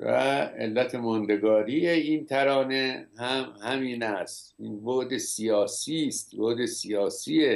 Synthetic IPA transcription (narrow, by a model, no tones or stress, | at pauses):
væ̰ḛlːæt̪ʰemɔnd̪eɡɒːɾijeiːnt̪ʰæɾɒːnehæmhæmiːnæst̪iːnboʔd̪esijɒːsiːst̪boʔd̪esijɒːsie